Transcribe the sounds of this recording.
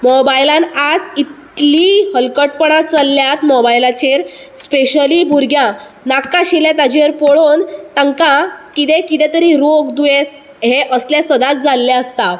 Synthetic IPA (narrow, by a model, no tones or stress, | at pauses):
mɔbajlãnad͡zit̪lihəlkəʈ̚pəɳat̪t͡salːjat̪mɔbajlat͡ɕeɾspeɕəlibʱuɾɡjã | nakːaɕilẽt̪ad͡ʑiʋəɾpɔɭont̪ãŋkãkit̪ekit̪ɛ̃t̪əɾiɾoɡd̪ujes | ɦeʔəslasəd̪at̪̚d͡zalːaəst̪a